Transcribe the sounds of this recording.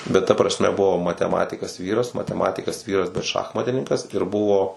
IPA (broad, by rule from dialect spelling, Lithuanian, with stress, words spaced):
bʲɛt tɐ prɐsʲˈmʲɛ ˈbʊʋoː mɐtʲɛˈmɑːtʲɪkɐs ˈʋʲiːrɐs mɐtʲɛˈmɑːtʲɪkɐs ˈʋʲiːrɐs bʲɛt ˈʃɑːxmɐtʲɪnʲɪŋkɐs ɪr ˈbʊʋoː